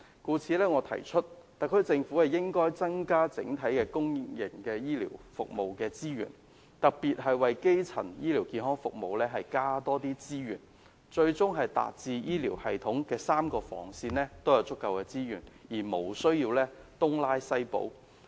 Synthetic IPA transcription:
kuː˧t͡sʰiː˨˧lɛː˥ŋɔː˨˧t̪ʰɐ̰˨˩jt͡ʃʰɵ˥t̚t̪ɐ˨kʰɵ˨˥t͡sɪ˧ŋfu˨˥hɐ˨jɪ˥ŋkɔː˥jt͡sɐ˥ŋkaː˥t͡sɪ̰˨˥ŋt̪ʰɐ˨˥jkɛː˧kʊ˥ŋjɪ˨˩ŋkɛː˧jiː˥lḭ˨˩wfʊ̰˨k̚mo˨wkɛː˧t͡siː˥jy̰ː˨˩n | t̪ɐ˨k̚piː˨t̚ɦɐ˨jwɐ˨jke˥jt͡sʰɐ̰˨˩njiː˥liː˨˩wkiː˨˧nɦɔː˥ŋfʊ˨k̚mo˨wlɛː˥ɦɐ˨jkaː˥t̪ɔː˥t̪iː˥t͡siː˥jy̰ː˨˩n | t͡ʃɵ˧ɥt͡sʊ˥ŋɦɐ˨jt̪a̰ː˨t̚t͡siː˧jiː˥liː˨˩whɐ˨jt̪ʰʊ˨˥ŋkɛː˧saː˥mkɔː˧fɔ̰ː˨˩ŋsiː˧nlɛː˥t̪o˥wjɐ˨˧wt͡sʊ˥kːɐ˨˧wkɛː˧t͡siː˥jyː˨˩njiː˨˩mo˨˩wsɵ˥ɥjiː˧wlɛː˥t̪ʊ˥ŋlaː˥jsɐ˥jpo̰˨˥w

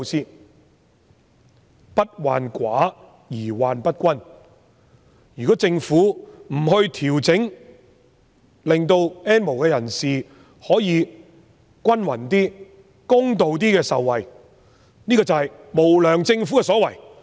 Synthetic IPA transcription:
siː˥ | pɐ˥t̚wa̰ː˨nkʷaː˨˥ | jiː˨˩waː˨npɐ˥t̚kʷɐ˥n | jyː˨kɔː˨˥t͡sɪ˧ŋfuː˨˥m̩˨˩ɦɵ˧ɥt̪ʰiː˨˩wt͡sɪ˨˥ŋ | lɪ˨ŋt̪o˧wɛː˥nmo˨˩wkɛː˧jɐ˨˩nsiː˨ | hɔː˨˥jiː˨˧ | kʷɐ˥nwɐ˨˩nt̪iː˥ | kʊ˥ŋt̪o˨wt̪̬iː˥kɛː˧sɐ˨wːɐ˨j | niː˥kɔː˧t͡sɐ˨hɐ˨j | mo˨˩wlœː˨˩ŋt͡sɪ˧ŋfu˨˥kɛː˧sɔː˨˥wɐ˨˩j

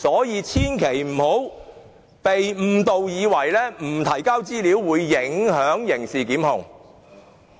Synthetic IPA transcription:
sɔː˨˥jiː˨˧t͡sʰiː˥nkʰe˨˩jm̩˨˩ho˨˥w | pe˨jm̩ː˨˩t̪o˨wjiː˨˧wɐ˨˩jlɛː˥m̩˨˩t̪ʰɐ˨˩jkaː˥wt͡siː˥liː˨˥wːuː˨˧jːɪ˨˥ŋhœː˨˥ŋjɪ˨˩ŋsiː˨kiː˨˥mhʊ˨ŋ

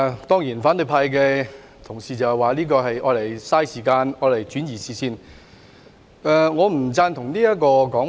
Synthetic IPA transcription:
t̪ɔː˥ŋjiː˨˩nfaː˨˥nlɵ˨˧ɥpʰaː˧jk̬ɛː˧ | t̪ʰʊ˨˩ŋsiː˨t͡sɐ˨whɐ˨jwaː˨˩liː˥kɔː˧hɐ˨jɔː˨˧˥le˨˩jsaː˥jsiː˨˩kaː˧nɔː˨˧le˨˩jt͡ʃyː˨˥njiː˨˩siː˨˩siː˧n | ɛ˨˩ŋɔː˨˧m̩˨˩t͡saː˧nt̪ʰʊ˨˩ŋliː˥jɐ˥kɔː˧kɔː˨˥

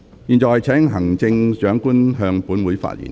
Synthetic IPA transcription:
jiː˨nt͡sɔː˨˩˨jt͡sʰɛː˨˥ŋɦɐ˨˩ŋt͡sɪ˧ŋt͡ʃœː˨˥ŋkuː˥nɦœː˧ŋpuː˨˥nwuː˨˥jfa̰ː˧˥t̚jḭː˨˩n

